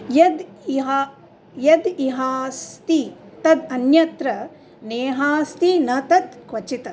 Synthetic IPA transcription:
jɐd̪iɦ | jɐd̪iɦaːst̪it̪ɐd̪ɐnjɐt̪ɾɐ | neːɦaːst̪inɐt̪ɐt̪kʋɐt͡ʃit̪ɐ

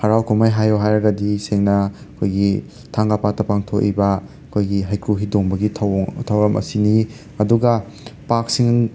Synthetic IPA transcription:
hɐɾawkʰumajɦajoɦajɾɐɡɐdiseŋnɐɐkʰojɡi | tʰaŋɡapatɐpaŋtʰokḭbɐ | ɐkʰojɡiɦajkɾuɦidoŋbɐɡitʰɐwtʰɐwɐmʔɐ̰sini | ɐduɡɐ | pak̚siŋ

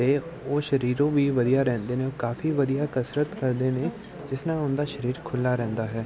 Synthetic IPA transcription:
eː | oːʃəɾiːɾõːbʱiːʋəd̪ijaɾɛ̃ːnd̪eːnẽoːkaːfiʋəd̪ijaːkəsɾət̪kəɾd̪eːnẽː | d͡ʒɪsnaʊnd̪aːʃəɾiːɾkʰʊlːaɾɛ̃ːnd̪aːɦɛː

